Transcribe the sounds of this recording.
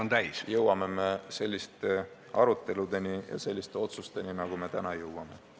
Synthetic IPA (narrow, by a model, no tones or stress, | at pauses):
ont̪æjsjɤwɑme̞me̞se̞lʲːist̪e | ɑɾut̪ːe̞lud̪e̞nijɑ̰se̞lʲːist̪eo̞t̪sust̪e̞ninɑɡ̥ume̞t̪ænɑjɤwwɑme̞